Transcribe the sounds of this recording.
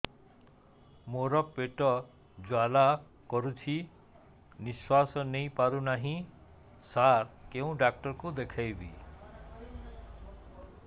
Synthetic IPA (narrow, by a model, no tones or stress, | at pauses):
moɾɔpeʈɔ | d͡ʒwala | kɔɾut͡ʃʰi | niswasɔnejpaɾunaɦĩ | saɾkeũɖak̚ʈɔɾkud̪ekʰajbi